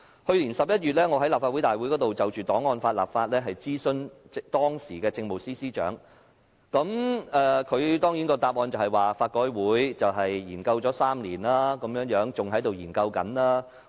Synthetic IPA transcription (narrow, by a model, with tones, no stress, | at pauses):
hɵ˧ɥliː˨˩nsɐ˨p̚jɐ˥t̚ɥyː˨t̚lɛː˥ŋɔ˨˧ɦɐ˨˥laː˨p̚faː˧wu˨˥jt̪aː˨jwu˨˥kɔː˨˥t̪o˨wt͡sɐ˨wt͡ʃyː˨t̪ɔː˨˥ŋːɔː˧nfaː˧t̚la̰ː˨p̚faː˧t̚lɛː˥ɦɐ˨jt͡siː˥sɵ˧n˨t̪ɔː˥ŋsiː˨˩kɛː˧t͡sɪ˧ŋmo˨wsiː˥siː˥t͡ʃœ̰ː˨˥ŋ | kɐ˨˥mɛː˧kʰɵ˨˧ɥt̪ɔː˥ŋji˨˥nkɔː˧t̪aː˧p̚ŋɔː˧nt͡sɐ˨whɐ˨jwaː˨˩faː˧t̚kɔː˧jwuː˨˥jt͡sɐ˨wɦɐ˨jːiː˨˩nkɐ˧wt͡sɔː˨˥saː˥mliː˨˩nlaː˥kɐ˨˦mjœː˨˥ŋjœː˨˥ŋt͡sʊ˨ŋɦɐ˨˥jt̪o˨wjiː˨˩nkɐ˧wkɐ̰˨˥nlaː˥